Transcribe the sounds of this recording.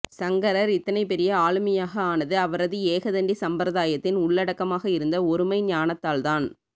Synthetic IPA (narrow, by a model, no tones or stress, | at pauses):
sɐŋɡɐɾɐɾɪt̪ːɐnɐɪpːɛɾɪjɐaːɭɯmɐjaːɣɐaːnɐðɯɐʋɐɾɐðɯeːɣɐðɐɳɖisɐmpɾɐðaːjɐt̪ːɪnʊɭːɐɽɐkːɐmaːɣɐɪɾɯnd̪ɐɔɾɯmɐɪɲaːnɐt̪ːaːlt̪aːn